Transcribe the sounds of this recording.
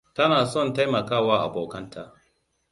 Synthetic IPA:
tɐ˦naː˨sɔ˦˨nta˦jmɐ˨kaː˦˨waː˦ʔa̰˨boː˨kɐ˦ntaː˨

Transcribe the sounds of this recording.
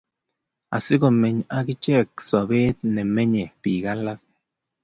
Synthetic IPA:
a̰˨si˦ɡo˨me˨ɲa˦ɡi˦t͡ʃe˦˨k̚so˨be˦t̪̚ne˨me˦ɲe˨pi˨ɡa˦la˦k̚

